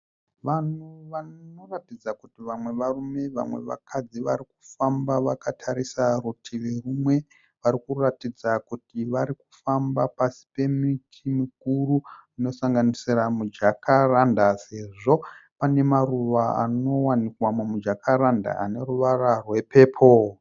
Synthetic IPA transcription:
ʋanuʋano̞ratid͡zakutiʋamwe̞ʋarume̞ʋa̰mwe̞̰ʋa̰kʰad͡ziʋa̰ɾiku̥fambaʋakatʰaɾisarutʰilirumwe̞ | ʋaɾikuratid͡zakutiʋaɾiku̥fambapasi̥pe̞mitʰimik̚uruino̞saŋɡanisiramud͡ʒakʰarandase̞ʐo̞pane̞maruʋaa̰no̞wanikwamamud͡ʒakʰaɾanda̰a̰ne̞ruʋararwe̞pe̞ːpʰo̞

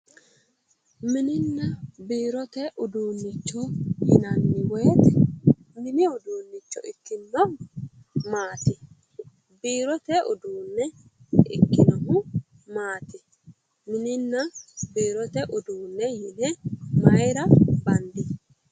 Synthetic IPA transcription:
mɪnɪnːɐbiːɾɔt̪ɛʔʊd̪uːnːɪt͡ʃːɔjɪnɐnːɪwejt̪ɛ | mɪnɪʊd̪uːnːɪt͡ʃːɔ̰ɪkːɪnːɔ | maːt̪ɪ | biːɾɔt̪ɛʔʊd̪uːnːɛɪ̰kːɪnɐɦʊ | maːt̪ɪ | mɪnɪnːɐbiːɾɔt̪ɛʔʊd̪uːnːɛjɪnɛmɐjɾɐbɐnd̪ɪ

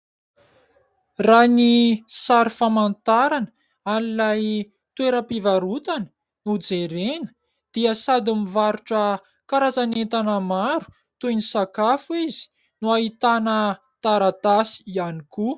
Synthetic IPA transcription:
ranisaɾifamant̪aɾanə̥ | alilaj | t̪weɾəpivaɾut̪anə̥ | nud͡zeɾenə̥ | d̪̥iəsad̪imivaɾuʈ͡ʂə | kaɾazanet̪anəmaɾu̥ | t̪ujnisakafuizi̥ | nuait̪anə | t̪aɾat̪asi̥ianiku

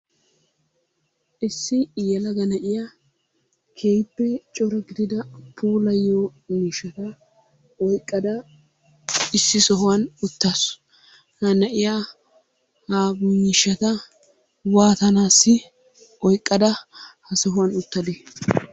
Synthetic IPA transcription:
ʔɪsːɪjɐlɐɡɐnɐʔɪjaː | kʰejbːɛt͡ʃʼɔɾɐɡɪd̪ɪd̪ɐpʰuːlɐjoːniːʃɐt̪ɐ | ɔjkʼːɐd̪ɐ | ɪsːɪsɔɦʊwɐnʊt̪ːas | hɐnɐʔɪja | haːbunɪːʃːɐt̪ɐ | waːt̪ɐnaːsːɪ | ɔjkʼːɐd̪ɐhɐsɔɦʊwɐnʊt̪ːɐd̪eː

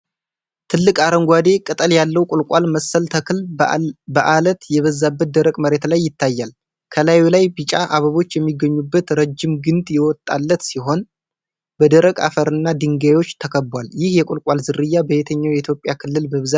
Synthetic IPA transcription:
t̪ʰɨlːɨkʼaɾəŋɡʷwad̪e̞kʼɨt̪ʼəljalːəwkʼʊlkʷʼalməsːəlt̪ʰəkɨlbəʔalət̪jɛβəzːabːət̪̚d̪əɾəkʼməɾe̞t̪lajːɪt̪ʰːajːal | kʰəlajulajbɨt͡ʃʼaʔaβəβo̞t͡ʃːjɛmːiɡːəɲːubːət̪ɾəd͡ʒːɪmɡɨnt̪ʼjɛwɔt̪ʼːalːət̪siɦo̞n | bəd̪əɾəkʼa̰fəɾɨnːad̪ɨŋɡajwo̞t͡ʃːt̪ʰəkʰəbːwaljɪhjɛkʷʼʊlkʼalzɨrːɨjːabəet̪ʰəɲːawjɛit̪ʰjo̞pʼjakʰɨlːɨlbəβza

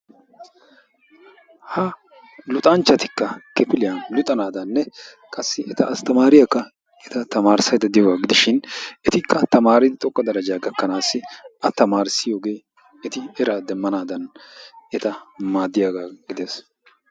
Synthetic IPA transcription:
hɐ | lʊt̪ʼɐnt͡ʃːɐt̪ɪkːɐkɛpɪlɪjɐnlʊt̪ʼɐnaːd̪ɐnːɛ | kʼɐsːɪʔɛt̪ɐɐst̪ɐmaːɾɪjɐkːɐ | ɛt̪ɐt̪ɐmaːɾsɐjd̪ɐd̪ɪjoːɡaːɡɪd̪ɪʃɪnɛt̪ɪkːɐt̪ɐmaːɾɪd̪ɪt̪ʼɔkʼːɐd̪ɐɾɐd͡ʒaːɡɐkːɐnaːsːɪʔɐt̪ɐmaːɾsɪjo̞ːɡe̞ː | ɛt̪ɪɛɾaːd̪ɛmːɐnaːd̪ɐnɛt̪ɐmaːd̪ːɪjaːɡaːɡɪd̪eːs

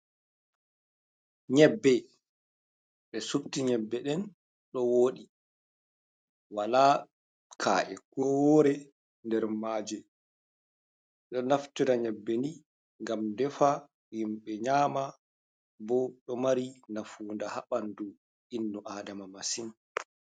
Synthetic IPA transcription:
ɲɛbːɛ | ɓɛsubtiɲɛbːɛɗɛn | ɗɔwoːɗi | wala | kʰa̰ːʔɛkɔɾɛ | ndɛɾmaːd͡ʒɛ | ɗɔnaftuɾaɲɛbːɛni | ŋɡamdɛfa | jimɓɛɲaːma | bɔɗɔmaɾinafuːndahaɓandu | ʔinːuʔaːdamamasin

